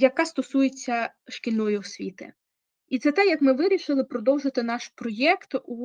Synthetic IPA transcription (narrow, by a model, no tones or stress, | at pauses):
jɐkast̪ɔsujet͡sʲːɐʃkʲilʲnɔjʊwsʲʋʲḭt̪ɪ̰ | it̪sɛt̪ɛjɐkmɪʋɪɾʲiʃɪlˠɪpɾɔd̪ɔwʒɪt̪ɪnɑʃpɾɔjɛkt̪u